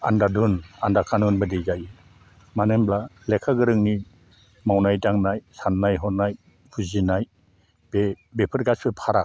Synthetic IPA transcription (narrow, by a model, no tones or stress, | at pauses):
a̰ndadunandakʰanunbɯdejzajɯ | manemblalekʰaɡɯɾɯŋni | mawnajdaŋnajsanːajɦɔnaj | pʰuzinaj | b̥e | bepʰɯɾɡasɯpʰaɾa